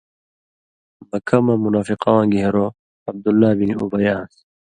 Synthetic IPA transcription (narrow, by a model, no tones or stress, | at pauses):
bɐkʰɐmɐmunaːfiqawãːɡiɦeɾo | ɐb̚d̪ulːaːbiniubɐjãːs